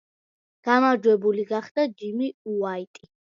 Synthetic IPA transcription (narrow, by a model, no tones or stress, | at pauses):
ɡ̥amaɾd͡ʒwɛbuliɡaχd̪ad͡ʒimiuait̪ʼi